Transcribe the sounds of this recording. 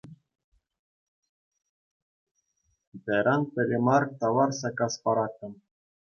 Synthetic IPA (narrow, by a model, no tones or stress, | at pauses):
bæɾɑnpʲɘ̆ɾʲɘ̆mɑrt̪ɑwɑrsɑkɑspɑɾɑk̪ːɤ̆m